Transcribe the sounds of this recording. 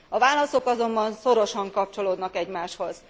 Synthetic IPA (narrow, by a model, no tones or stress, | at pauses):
ɒvaːlɒso̞kɒzo̞mbɒnso̞ɾo̞ʃɒŋkɒp̚t͡ʃo̞loːd̪nɒkɛɟmaːʃho̞z̥